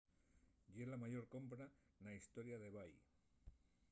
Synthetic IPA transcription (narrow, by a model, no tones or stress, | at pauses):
ʝelamaʝo̞ɾko̞mpɾa | naist̪o̞ɾjaðe̞βaj